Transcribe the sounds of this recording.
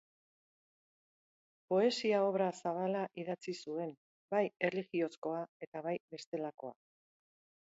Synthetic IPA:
po̞e̞siao̞βɾasaβ̞alaʔiðat͡sisue̞n | baje̞rliɣio̞sko̞ae̞t̪aβajbe̞st̪e̞lako̞̰a̰

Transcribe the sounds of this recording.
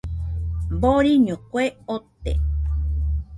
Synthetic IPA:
boɾiɲõkweot̪ḛ

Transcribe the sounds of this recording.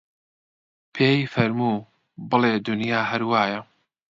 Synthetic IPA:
pʰeːjfɐɾmuː | bɨleːd̪ʊnjaːɦɐɾwaːjɐ

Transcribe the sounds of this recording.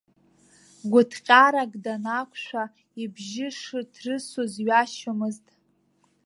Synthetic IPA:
ɡʷʊtʰqʲʼaɾaɡʼdanakʷʰʼʃᶣʷa | ibʒɪʂɨdʰrɨsozɥaʃomɨztʼ

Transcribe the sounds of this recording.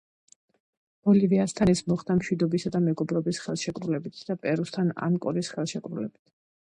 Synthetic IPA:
ɔliviast̪ʰanɛsmɔχd̪amʃwid̪ɔbisad̪amɛɡɔbɾɔbisχɛlˠʃɛkʼɾulɛbit̪ʰd̪̥apʼɛɾust̪ʰana̰mkʼɔɾisχɛlˠʃɛkʼɾulɛbit̪ʰ

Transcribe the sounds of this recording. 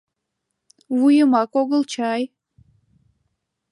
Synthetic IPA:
wujəmɑkoɣəlt͡ɕɑj

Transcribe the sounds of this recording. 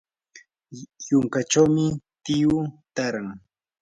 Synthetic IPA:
jʊŋkaʈ͡ʂawmɪt̪ɪjʊt̪aɾaŋ

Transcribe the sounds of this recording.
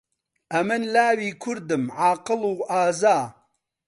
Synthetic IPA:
ʔɐmɨnlaːwiːkʰʊɾd̪ɨmʕaːqɨluːʔaːzaː

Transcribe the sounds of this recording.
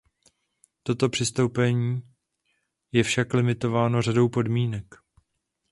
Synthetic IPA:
t̪o̞t̪o̞pr̥ɪst̪o̞wpɛɲiː | jɛfʃaklɪmɪt̪o̞vaːno̞rado̞wpo̞dmiːnɛk

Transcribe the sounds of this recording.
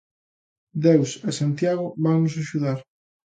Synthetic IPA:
d̪ewsesant̪jaɣʊβaŋnʊs̬aʃuðaɾ

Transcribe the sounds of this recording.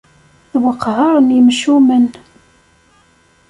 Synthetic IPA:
ðwəqːʕəɾˤnjəmʃumən

